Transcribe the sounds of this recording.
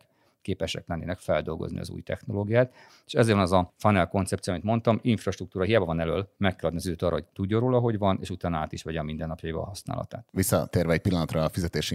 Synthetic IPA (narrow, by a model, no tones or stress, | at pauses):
keːpɛʃɛ̰klɛnːḛːnɛkfɛld̪o̞lɡo̞̰znḭɒ̰zṵːjt̪ɛxno̞loːɡijaːt̪ | e̥ːʃɛzeːɾvɒnɛzɒfɒnɛlko̞nt̪sɛp̚t̪sioːmit̪mo̞nt̪ɒmiɱfrɒʃt̪ruk̚t̪uːɾɒɦijaːbɒvɒnɛløːlmɛkːɛlɒd̪niɒzid̪øːt̪ɒːrːʔɒ̰oɟ̚t̪uɟːoɾroːlɒɦo̞ɟʋɒnḛːʃut̪aːnɒaːt̪iʃʋɛɟɒmind̪ɛnːɒpjɒjibɒ̰ɦɒsna̰ːlɒ̰t̪a̰ːt̪ʋisːɒ̰t̪eːrvɛɛc̚pilːɒnɒt̪rɒfizɛt̪eːʃi